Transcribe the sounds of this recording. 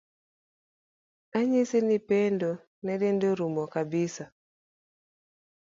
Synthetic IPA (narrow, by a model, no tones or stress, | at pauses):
aɲisinipendo | nɛdendoɾumɔkabisa